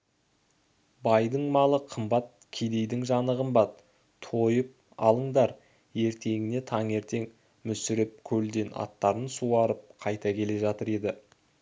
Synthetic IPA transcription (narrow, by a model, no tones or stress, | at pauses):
bɑjd̪əɴmɑlˠəqʰəmbɑt̪̚kʲʰed̪e̞jd̪ɪŋʒɑnəʁəmbɑt̪ʰː | ojəp̚ | ɑ̰lˠəɴd̪ɑɾ | e̞ɾt̪ʰe̞ŋɪne̞t̪ʰɑŋe̞ɾt̪e̞ŋ | mʏsɪɾɪp̚kʲʰɵld̪e̞nɑ̰t̪ːɑɾənsuɑɾəp̚qʰɑjt̪ɑkʲʰe̞le̞ʒɑt̪əɾe̞d̪ɪ